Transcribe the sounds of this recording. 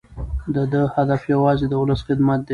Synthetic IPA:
d̪əd̪əhad̪afjawɑzed̪əʊləsxɪd̪mat̪̚d̪ə

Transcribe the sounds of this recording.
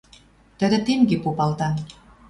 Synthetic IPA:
t̪ə̆d̪ĕt̪emɡepopɑlt̪ɑn

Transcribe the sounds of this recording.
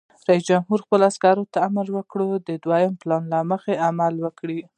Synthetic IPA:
ɾais̬d͡ʒamɦuɾxpəlaskɑɾot̪aːmaɾwəkɽod̪əd̪wajəmplɑnlaməxeamalwəkɽi

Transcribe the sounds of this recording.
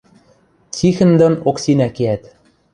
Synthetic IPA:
t͡sixɘ̆nd̪ɤ̆noksinækiæt̪

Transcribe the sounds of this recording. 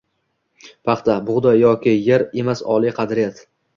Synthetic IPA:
pʰɑχt̪abʊʁd̪ajɒkʲɪjaɾe̞masɒ̰lˠiqʰɑd̪ɾɪjat̪

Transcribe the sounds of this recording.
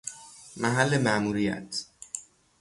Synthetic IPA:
mæɦælːemæmuːɾijæ̰t̪ʰ

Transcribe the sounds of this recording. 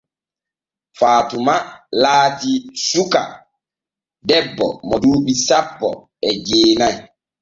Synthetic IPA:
faːtumalaːtisuka̰ | dɛbːɔ̰mɔduːɓisapːɔ̰ | ɛd͡ʒeːnaj

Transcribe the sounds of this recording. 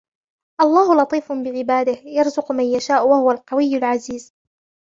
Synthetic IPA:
ʔɑlˤːɑːhʊlɑt̪ˤiːfʊbɪʕɪbaːd̪ɪhjɑɾˤzʊqmanjaʃaːʔwahʊwalqɑwɪjːʊlʕaziːz

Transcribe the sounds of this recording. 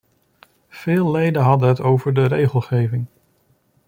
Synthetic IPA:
v̥ɪːlˠːejdəɦɑdənɦətowvəɹdərejχəlˠχejvɪŋ

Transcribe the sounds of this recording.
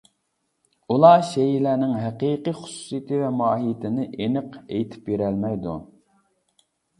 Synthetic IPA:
ulˠɑʃejilæːnɪŋɦæqiːqijχʊ̥su̥sɨijit̪ʰɨvɛmɑːɦijɪt̪ʰɪnɪʔenɨqejt̪ʰɪ̥pjeɾɛlmɛjd̪ṵ

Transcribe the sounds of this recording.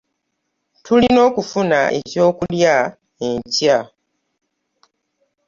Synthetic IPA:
tulino̞ːkufunaʔḛco̞ːkulja | eɲca

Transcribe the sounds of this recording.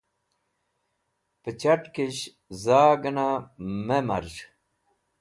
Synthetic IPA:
pət͡ɕaʈkeɕ | zaːɡɐnamemɐ̰ɾɕ

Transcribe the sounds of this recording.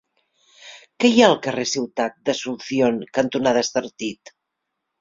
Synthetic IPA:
kɛjaəlˠkəresiwt̪at̪̚d̪əsunθioŋkənt̪unaðəst̪əɾt̪it̪

